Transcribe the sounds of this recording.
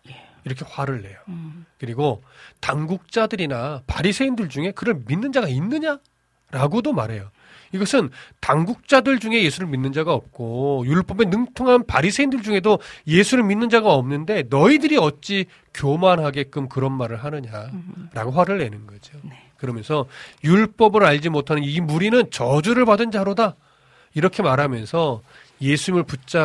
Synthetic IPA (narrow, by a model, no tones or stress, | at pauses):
eiɾʌkʰe̞ɸwaɾɯɭːe̞jokɯɾiɡotaŋɡuk̚t͡ɕ͈adɯɾinapaɾisʰe̞indɯɭd͡ʑuŋe̞kɯɾʌɭminːɯnd͡ʑaɡainːɯɲa | ɾaɡodomaɾɦe̞jo | iɡʌsʰɯntaŋɡuk̚t͡ɕ͈adɯɭd͡ʑuŋe̞je̞sʰuɾɯɭminːɯnd͡ʑaɡaʌp̚k͈ojuɭp͈ʌbe̞nɯŋtʰoŋɦanpaɾisʰe̞indɯɭd͡ʑuŋe̞doje̞sʰuɾɯɭminːɯnd͡ʑaɡaʌmnɯnde̞nʌidɯɾiʌt͡ɕ͈i | kjomanɦaɡe̞k͈ɯmkɯɾʌnmaɾɯɭɦanɯɲaɾaɡoɸwaɾɯɭːe̞nɯnɡʌd͡ʑio | kɯɾʌmjʌnsʰʌjuɭp͈ʌbɯɾaʎd͡ʑimotʰanɯnimuɾinɯnt͡ɕʌd͡ʑuɾɯɭpadɯnd͡ʑaɾoda | iɾʌkʰe̞maɾamjʌnsʰʌ | je̞sʰuɲimɯɭput͡ɕ͈a